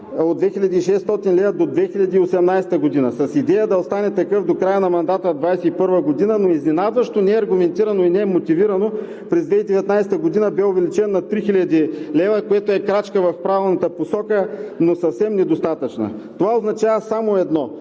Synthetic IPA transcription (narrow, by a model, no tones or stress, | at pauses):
od̪vɛxilʲɐd̪iːʃɛst̪ɔt̪inlɛvɐd̪od̪vɛxiʎʲɐd̪iːosɛmnajsɛt̪əɡod̪inɐsɐsid̪ɛjəd̪ɐost̪anɛt̪ɐkɤfd̪okɾajənɐmɐnd̪at̪əd̪vajsɛipɤɾvəɡod̪inənoizninad̪vɐʃt̪onɛɛɐɾɡʊmɛnt̪iɾɐnoinɛɛmot̪iviɾɐno | pɾɛzd̪vɛid̪ɛvɛt̪najsɛ̥t̪əɡod̪inəbɛovɛlit͡ʃɛnːɐt̪ɾixilʲɐd̪ilɛvəkojɛt̪oɛkɾat͡ʃkəvɐfpɾavɛlˠnɐt̪əposɔkənosɐfsɛmnɛd̪ost̪at̪ət͡ʃnə̰t̪ovaoznɐt͡ʃavəsamoɛd̪nɔ